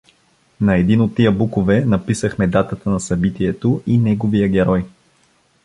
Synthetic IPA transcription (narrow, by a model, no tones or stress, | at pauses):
nɐɛd̪inot̪ːijəbukovɛnɐpisəxmɛd̪at̪ət̪ənɐsɐbit̪iɛt̪oʔinɛɡovijəɡʲɛɾɔj